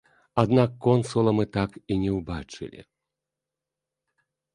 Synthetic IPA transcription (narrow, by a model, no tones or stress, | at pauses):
ad̪nakːɔnsulˠɐmɨt̪akinʲɛwbat͡ʂɨ̰lʲḭ